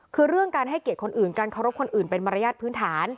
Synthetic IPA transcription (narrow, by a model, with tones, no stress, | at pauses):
kʰɯː˧ɾɯ˥˩əŋkaː˧nɦa˥˩jke˨˩t̪̚kʰo˧nʔɯː˨˩nkaː˧nkʰa˧˩wɾo˦˥p̚kʰo˧nʔɯː˨˩npe˧nma˧ɾa˧jaː˥˩t̪̚pʰɯː˦˥nt̪ʰaː˩˦n